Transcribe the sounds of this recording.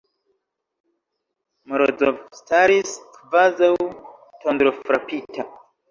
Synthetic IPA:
moɾod͡zo̰staɾiskvazaw | tʰondɾofɾapitʰa

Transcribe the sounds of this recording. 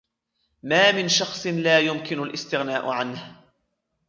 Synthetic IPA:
maːmɪnʃɑxsˤɨnlaːjʊmkɪnʊlʔɪst̪ɪɣnaːʔʊʕanh

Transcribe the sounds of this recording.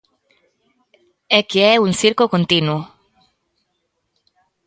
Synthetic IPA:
ɛkeɛunsiɾkokont̪inwʊ

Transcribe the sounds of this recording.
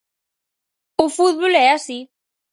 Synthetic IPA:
ʊfuðβolɛasi

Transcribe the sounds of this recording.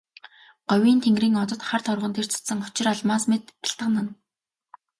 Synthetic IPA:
ɢ̥œwʲiːnt̪ʰeŋɡriːŋɔt͡s̪ɞ̆t̪χart̪ʰɔrʁɞ̆nt̪ʰer̥t͡sʰḁsə̆ŋɔt͡ɕɪ̆raɮmaːsmet̪pḁ̆ɬt̪ə̆qnə̆n

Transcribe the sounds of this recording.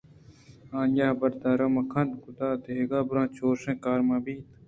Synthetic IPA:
ãːnjaːbɐɾd̪aːɾɐmɐkʰɐnd̪ɡud̪aːd̪eeɡaːbɾãːt͡ʃoːɾsẽːkaːɾmãːbiːt̪

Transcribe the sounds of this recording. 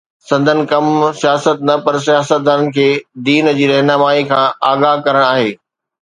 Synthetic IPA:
sɐ̃nd̪ʱənɪ̆kɐmsijaːsət̪nɐpɐɾs̬ijaːsət̪̚d̪aːɾənɪ̆kʰeːd̪iːnd͡ʑiːɾɐɦnaːmaːikʰãːaːɡaːɦkɐɾəɽ̃aːɦeː

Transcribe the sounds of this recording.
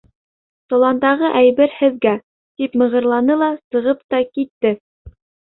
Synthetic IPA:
t̪ŏlˠɑnd̪ɑʁɤʔæjbɘɾhɘ̆ðɡæ | t̪ipmɤ̆ʁɤ̆ɾlˠɑnɤlˠɑsɤ̆ʁɤpt̪ɑkit̪ːɘ

